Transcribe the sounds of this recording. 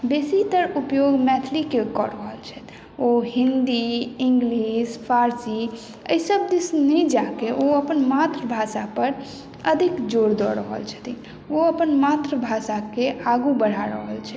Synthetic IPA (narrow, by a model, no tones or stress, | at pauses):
besit̪əɾupjoɡmɛt̪ʰlikekɔɾəɦəlt͡ʃʰɛt̪ | oɦĩnd̪iĩŋɡlispʰaɾsi | ə̰jsəb̚d̪isnɛd͡ʒakeʔoəpənmat̪ɾəbʱasapəɾ | əd̪ʱikd͡ʒoɾd̪ɔɾəɦə̰lt͡ʃʰə̥t̪ʰi | oəpənmat̪ɾəbʱasakeʔaɡubəɽ̤aɾəɦəlt͡ʃʰɛ